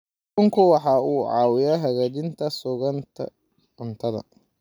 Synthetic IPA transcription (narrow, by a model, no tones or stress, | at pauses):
kʊŋkʰʊwɑħɑːuːʕɑ̰ːwɪjɐɦɐɣaːt͡ʃɪnt̪ʰɐsʊɣɐnt̪ʰɐ̰ | ʕʊnt̪ʰɐðɐ̰